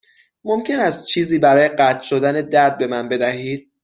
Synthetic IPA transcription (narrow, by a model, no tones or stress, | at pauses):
momcʰe̞næst̪̚t͡ʃʰiːziːbæɾɒːje̞ɢæt̪ʰʃo̞d̪æne̞d̪æɾd̪̚be̞mænbe̞d̪æhiːd̪̥̚